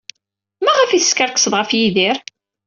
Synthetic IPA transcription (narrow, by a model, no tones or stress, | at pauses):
mæʁəfiθə̥skəɾkə̥sˤəðʁəfjiðiɾ